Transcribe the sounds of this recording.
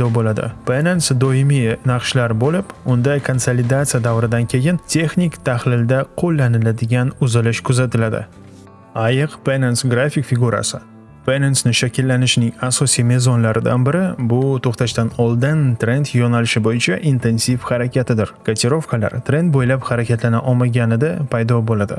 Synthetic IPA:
d̪ɒbolad̪ɪ̰pʰenensd̪oɪminɑqʃlaɾbolɪpʊnd̪ajkʰonsolɪd̪at̪sijad̪avɾɪd̪ankʲʰe̞jɪnt̪ʰe̞χnʲikt̪ʰahlɪld̪aqʰolːanɪlad̪ɪɡʲanʊzɪlɪʃkʰʊzat̪ʰɪlad̪ɪ̰ | ajɨqpenensɡɾafʲikfɪɡuɾa̰sɪ | pʰenensnɪʃakʲɪlːanɪʃɪnɪŋasɒsijme̞zɒnlaɾɪd̪a̰nbɪɾɪbʊt̪ʰoχt̪aʃt̪anɒlˠd̪ɪnt̪ɾe̞nt̪jɒnalɪʃɪbojɪt͡ʃʰaʔint̪ʰe̞nsifhaɾakʲʰat̪ʰɪd̪ɪɾkʰat̪ʰʲeɾo̞fkʰala̰ɾt̪ʰɾe̞nt̪̚bojlapχɑɾakʲat̪lanaʔɒmaɡʲanɪd̪apʰajd̪ɒbolad̪ɪ̰

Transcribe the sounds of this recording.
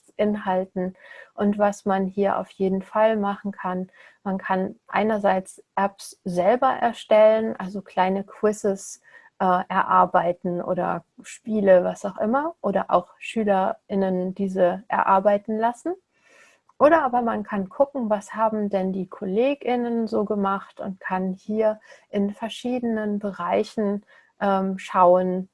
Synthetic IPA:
ʔɪnɦaltn̩ʔʊntv̥asmanɦiːɐʔa̰ʊfjeːdn̩falmaχn̩kʰan | mankʰanʔa̰ɪnɐzaɪt͡sʔɛpsz̥ɛlbɐʔɛɐʃtɛlənʔalzokl̥aɪnəkʰw̥ɪsəs | ʔɛːʔɛɐʔaɐbaɪtn̩ʔo̰ːdɐ̰ | ʃpiːləvasaʊxʔɪmɐʔoːdɐ̰ʔa̰ʊxʃyːlɐɪnənd̥iːzəʔɛ̰ɐʔa̰ɐbaɪtn̩lasn̩ | ʔoːɾɐʔaːbɐmankʰankʰʊkŋ̩vashaːbm̩dɛndiːkʰoleːɡɪnənzoːɡəmaχtʊ̰ntkʰanhiːɐʔɪnfɛɐʃiːdənənbəʁaɪçn̩ | ʔɛːmʃaʊən

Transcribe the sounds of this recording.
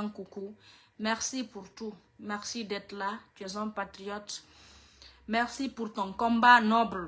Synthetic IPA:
ŋkukumɛʁsipuɾtu | mɛʁsidɛt̪lat̪yɛzɔ̃pat̪ɾijɔt | mɛʁsipuɾt̪ɔ̃ŋkɔ̃mbanɔbl

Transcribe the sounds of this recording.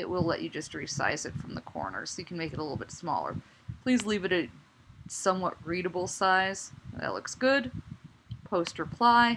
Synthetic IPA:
ɪ̰ʔ̚wɪlˠɛ̰t͡ʃɨd͡ʒʌst̚ɹisa̰ɪzɨtfɹʌ̃mðəkʰɔ̰ɹnə̰˞soʊjɨkʰn̩meɪkɨɾəlɪɾl̩ˠbɪtsmɔ̰lˠə̰˞ | pʰl̥izlivɨɾɨ | sʌ̃mwʌt̚ɹiɾɨbl̩ˠsaɪz̥ðɨ̰tˡlʊ̰ksɡ̥ʊd̚ | pʰoʊst̚ɹɨpʰl̥aɪ

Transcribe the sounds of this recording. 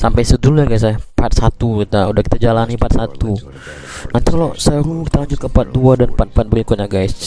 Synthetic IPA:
sampajsədulujaɡas̬ajapat̪̚sat̪ukit̪audahki̥t̪ad͡ʒalanipat̪̚sat̪u | nant̪ikalosəɾukit̪aaɲd͡ʒukapat̪̚duadanpat̪̚pat̪̚bəɾikʊt̪̚ɲaɡajs

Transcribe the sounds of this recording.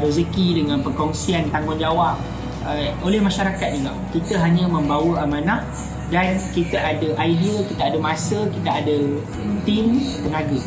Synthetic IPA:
ɾozəkidəŋãnpərkɔŋsiant̪aŋʊnd͡ʒawaʔ̚ | əolɛhmaʃaɾakat̪̚d͡ʒiɡa̰mkit̪əɦaɲãmə̃mbawəamãnaʔ | dankit̪əʔadəʔajdiəkit̪aadəmasəkit̪aadə | t̪imt̪əŋaɡə

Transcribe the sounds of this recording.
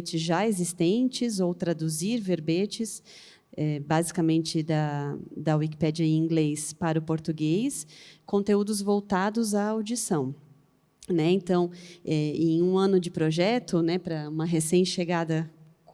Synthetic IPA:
t͡ʃɪzʒaezist̪ẽnt͡ʃɪzowt̪ɾad̪uziɾveɾbet͡ʃɪs | ɛbazikɐamẽnt͡ʃɪd̪ɐd̪ɐwiki̥pɛd͡ʒiɐẽĩŋɡlespaɾʊpoɾt̪uɡejskõnt̪eud̪ʊzvowt̪ad̪ʊzaowd͡ʒisɐ̃w̃ | nɛẽnt̪ɐ̃w̃ɛẽj̃ũɐ̃nʊd͡ʒɪpɾoʒɛt̪ʊnɛpɾɐũmɐɦesẽj̃ʃeɡad̪ɐ

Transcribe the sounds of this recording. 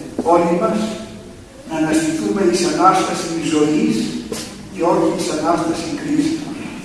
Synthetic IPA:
oʎimɐs | nɐnɐst̪it̪umeðisɐnast̪ɐsinizois | ceociisɐnast̪ɐsiŋkɾist̪u

